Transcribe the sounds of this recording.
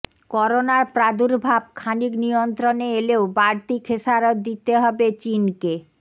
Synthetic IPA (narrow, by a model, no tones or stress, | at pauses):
kɔɾonaɾpɾad̪uɾbʱab̚kʰaniknijont̪ɾoneeleobaɾt̪ikʰeʃaɾot̪d̪it̪eɦɔbet͡ɕinke